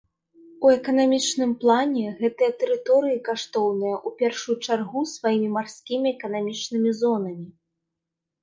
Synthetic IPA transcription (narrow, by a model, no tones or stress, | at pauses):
uɛkɐnamʲit͡ʂnɨmplˠanʲɛɣɛt̪ɨjɐt̪ɛɾɨt̪ɔɾɨjikaʂt̪ɔwnɨjɐʔupʲɛrʂujut͡ʂarɣusvajimʲimarsʲkʲimʲiɛkɐnamʲit͡ʂnɨmʲizɔn̪ɐmʲi